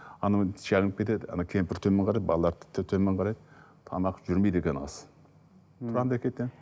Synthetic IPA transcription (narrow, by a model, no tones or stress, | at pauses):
ɑnɑʒ̥ɑʁənəpkʲe̞t̪ed̪ɑ̰nɑwkʲʰempɪɾt̪ʰɵmeɴqʰɑɾɑjd̪̚bɑlˠɑlˠɑɾt̪ʰɪ̥t̪ʰːt̪ʰømeɴqʰɑɾɑjd̪ | t̪ʰɑ̰nɑqʒ̥ʏɾmejd̪ekʲenɑ̰s | t̪ʰʊɾɑnd̪ækʲet̪en